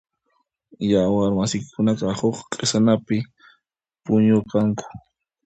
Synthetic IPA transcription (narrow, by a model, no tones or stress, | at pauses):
jawaɾmasɪkɪkʊnakɑhoχqʼesanapɪ | pʊɲokaŋkḁ